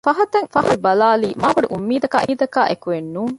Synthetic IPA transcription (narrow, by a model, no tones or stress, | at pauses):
fɐɦɐt̪ɐŋfɐɦɐlubɐlaːliːmaːbɐɖuʔumːiːd̪ɐka̰ːʔiːd̪ɐkaːʔekuʋenːuːŋ